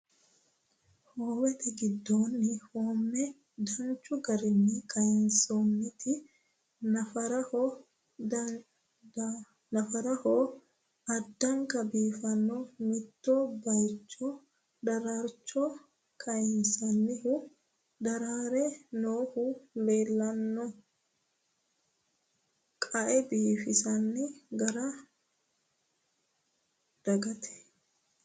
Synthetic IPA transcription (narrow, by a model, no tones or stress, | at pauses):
hoːwɛt̪ɛɡɪd̪ːoːnːɪhoːmːɛ | d̪ɐnt͡ʃːʊɡɐɾɪnːɪkʰɐjɪnsoːnːɪt̪ɪ | nɐfɐɾɐhoː | nɐfɐɾɐhoː | ɐd̪ːɐŋkɐbiːfɐnːomɪt̪ːoːbɐjt͡ʃːɔ | d̪ɐɾaːɾt͡ʃːo | kʰɐjɪnsɐnːɪhʊ | d̪ɐɾaːɾɛnoːhʊleːlːɐnːɔ | kʼɐʔɛbiːfɪsɐnːɪɡɐɾɐ | d̪̥ɐɡɐt̪ʰɛ̥